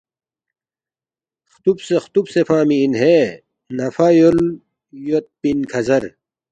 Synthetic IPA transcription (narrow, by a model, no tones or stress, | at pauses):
xt̪ubsext̪ubsefaːmiːnɦe | nɐfajol | jot̪̚pinkʰɐzɐɾ